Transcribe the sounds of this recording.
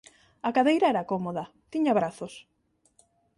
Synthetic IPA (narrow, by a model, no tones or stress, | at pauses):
ɐkaðejɾaɛɾɐkomoðɐ | t̪iɲaaβɾaθos